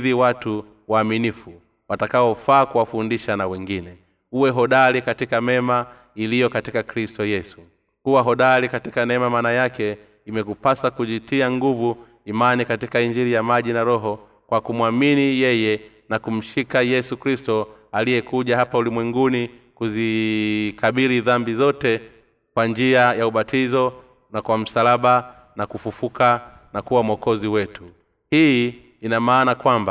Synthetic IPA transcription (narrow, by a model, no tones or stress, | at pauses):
ðiwatu | waːminifu | watakaɔfaːkuwafundiʃanawɛŋɡinɛ | uwɛɦɔɗalikatikamɛma | ilijɔkatikakɾistɔjɛsu̥ | kuwaɦɔɗalikatikanɛɛmamanajakɛ | imɛkupasakuʄitiaŋɡuvu | imanikatikaiɲd͡ʒiɾijamaʄinaɾɔɦɔ | kwakumwaminijɛjɛ | nakum̩ʃikajɛsukɾistɔalijɛkuʄahapaulimwɛŋɡunikuzikaɓiɾiðambizɔtɛ | kwand͡ʒiajauɓatʰizɔ | nakwam̩salaɓa | nakufufuka | nakuwamɔkɔziwɛtu | hiː | inamaːnakwamba